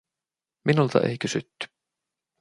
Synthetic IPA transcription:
mɪnulθa̰ðʔḛhcɪsʏt̪ː

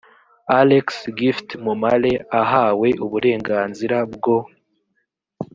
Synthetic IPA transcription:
aleksɡiftmumale̞aɦaːwe̞ʔuβuɾe̞ːŋɡaːnziɾabɡo̞

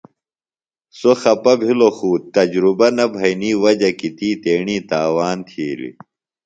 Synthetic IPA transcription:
soxɐpɐbʱiloxuːt̪ːɐd͡ʑɾubɐnɐbʱɐjniːwɐd͡ʑɐkit̪ʰiːt̪eːɳiːt̪aːwaːnt̪ʰiːlḭ

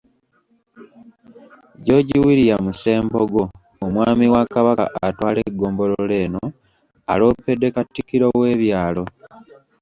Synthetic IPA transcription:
ɟo̞ɟiwiɾijamuse̞ːmboɡo̞ː | mwaːmiwakaβaka̰ʔatwaːleɡːo̞ːmbo̞loole̞ːno | a̰lo̞ːpːe̞dːe̞katːikiɾowe̞ːβjaːlo̞

